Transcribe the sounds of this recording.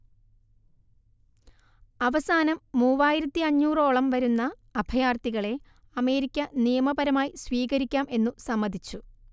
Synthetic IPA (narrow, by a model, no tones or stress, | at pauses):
ɐʋɐsaːnɐmːuːʋaːjiɾɐt̪ːiɐɲːuːro̞ːɭɐmʋɐɾunːɐː | bʱɐjaːrt̪iɣɐɭe̞ | ɐme̞ːɾikʲːɐnijɐmɐbɐɾɐmaːjisʋiːɣɐɾikʲːaːme̞nːusɐmːɐd̪ʱit͡ɕːu